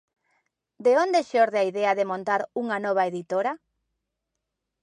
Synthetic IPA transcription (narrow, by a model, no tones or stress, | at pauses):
d̪eond̪eʃɔɾðeaiðɛaðemõnt̪aɾuŋanɔβ̞aeðit̪oɾa